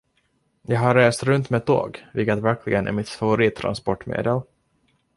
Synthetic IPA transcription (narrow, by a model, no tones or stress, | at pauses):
jɑːɦaɾːeːst̪ɾɵnt̪mɛt̪ʰo̰ːɡvɪlkət̪væɾkʰlɪɡənʔæ̰ɾmɪt̪favʊɾiːt̪ʰːɾa̰nspɔʈːmḛːd̪əl